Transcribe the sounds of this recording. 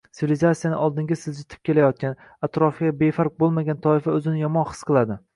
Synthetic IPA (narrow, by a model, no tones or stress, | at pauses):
sʰɪvilizat̪sijanɪʔɒlˠd̪ɪŋɡʲasɪld͡ʒɪt̪ʰɪ̥p̚kʲe̞lajɒt̪̚kʲan | at̪ɾɒfɡʲabe̞faɾq̚bolˠmaɡʲant̪ʰɒɪfaɵzɪnɪjɒmɒnχɨ̥sqʰɨlˠad̪ɪ